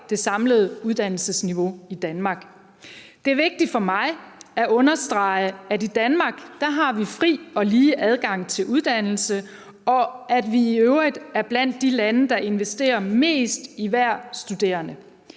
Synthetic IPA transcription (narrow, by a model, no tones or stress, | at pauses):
d̥e̝sɑ̈mləð̞̩ˠuðˠd̥æn̰l̩səsniʋo̝id̥ænmɑ̈ːɡ̥ | d̥e̝æɐʋe̝ɡ̥̚d̥i̥fɒ̽mɑ̈ɪæʔɔ̽nɐsd̥ʁɑ̈ɪædid̥ænmɑ̈ːɡ̥d̥ɑɦɑ̈ʋifʁḭːɒ̽liːʔæð̞ˠɡ̥ɑ̈ŋ̰t͡sʰe̝lʔuð̞ˠd̥æn̰l̩sə | ɒ̽æd̥ʋiːøʊʁid̥æɐb̥læn̰d̥ːilænəd̥ɑ̈e̝nʋesd̥e̝̰ːɐme̝̰ːsd̥iʋæɐ̰sd̥ud̥e̝̰ːɐnə